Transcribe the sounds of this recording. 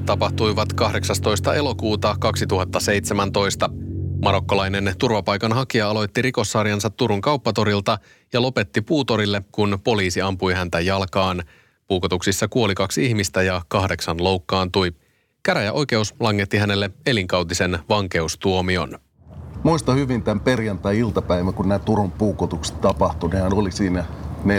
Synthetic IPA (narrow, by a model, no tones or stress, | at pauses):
t̪ɑpɑht̪ujʋɑt̪kɑhde̞ksɑst̪o̞jst̪ɑe̞lo̞kuːt̪ɑkɑksit̪uɦɑt̪ːɑse̞jt̪semænt̪o̞jst̪ɑmɑɾo̞kːo̞lɑjne̞nt̪urʋɑpɑjkɑnɦɑkiɑɑlo̞jt̪ːiɾiko̞sːɑɾiɑnsɑt̪ːuɾuŋkɑuwpːɑt̪o̞ɾilt̪ɑ | jɑlo̞pet̪ːipuːt̪o̞ɾilːe̞kunpo̞liːsiɑmpujɦænt̪æjɑlkɑːn | puːkot̪uksisːɑkuo̞likɑksiçmist̪æjɑkɑhde̞ksɑnlo̞wkːɑːnt̪uj | kæɾæjæʔo̞jk̟e̞uslɑŋːe̞t̪ːihæne̞lːe̞e̞liŋkɑwt̪ise̞nʋɑŋke̞ust̪uo̞mio̞̰n | muist̪ɑhyʋint̪æmperjɑnt̪æːilt̪ɑpæiʋækunnæːt̪uɾumpuːkot̪ukse̥t̪ɑpɑht̪unehænolisiːnæne